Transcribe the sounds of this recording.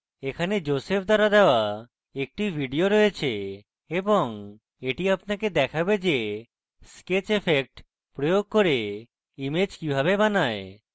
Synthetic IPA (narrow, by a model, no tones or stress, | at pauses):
ekʰaned͡ʑosepʰd̪ʱɔɾad̪ɛoa | ek̚ʈibʱiɖioɾɔjet͡ɕʰe | ebɔŋ | eʈiapnaked̪ɛkʰabed͡ʑe | sket͡ɕepʰek̚ʈ | pɾojoɡ̚koɾe | imed͡ʑkibʱaβebanae